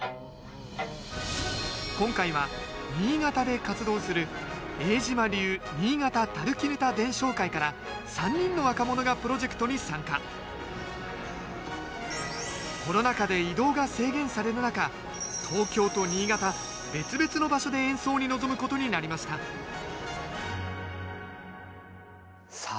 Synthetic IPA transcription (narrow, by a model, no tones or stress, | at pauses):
kõ̞ŋkaiβaɲ̟ʲiːɡat̪ad̪e̞kat͡sɨd̪o̞ːsɨɾɯ̟e̞ːʑimaɾʲɯ̟ːɲʲiːɡat̪at̪aɾɯ̟kʲiɾɯ̟t̪ad̪ẽ̞ɰ̃ɕo̞ːkaikaɾa | sãɲ̟ːĩnːo̞βakamo̞no̞ɡapɯ̟ɾo̞ʑe̞kɯ̟̥t̪oɲ̟isãŋka | ko̞no̞nakad̪e̞id̪o̞ːɡase̞ːɡẽ̞ɰ̃saɾe̞ɾɯ̟naka | t̪ʰo̞ːkʲo̞ːt̪o̞ɲ̟ʲiːɡat̪a | be̞t͡sɨbe̞t͡sɨno̞baɕo̞d̪e̞ẽ̞ɰ̃so̞ːɲ̟inozo̞mɯ̟ko̞t̪o̞ɲ̟inaɾʲimaɕi̥t̪a | s